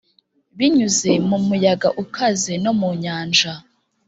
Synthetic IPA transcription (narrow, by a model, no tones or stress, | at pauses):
βiɲuze̞mumujaɡaʔukʰaze̞no̞muɲaːnd͡ʒa